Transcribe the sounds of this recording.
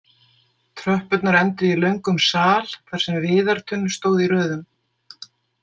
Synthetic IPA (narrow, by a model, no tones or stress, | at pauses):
t̪ʰɾœhpʏt̪naɾɛnt̪ʏilœɥŋkʏmsaːlkʰvaɾ̥sɛmvɪːðaɾ̥t̪ʰʏnːst̪oːwðiɾœːðʏm